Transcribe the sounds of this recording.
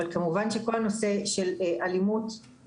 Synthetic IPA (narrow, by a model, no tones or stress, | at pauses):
alkamuvanʃeko̞lano̞se̞ʃelʔalimut̪